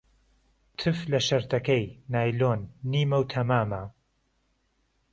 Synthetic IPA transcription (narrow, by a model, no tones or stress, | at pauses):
t̪ʰɨflɐʃɐɾt̪ʰɐkɐjnaːjloːnːiːmɐwt̪ʰɐmaːmɐ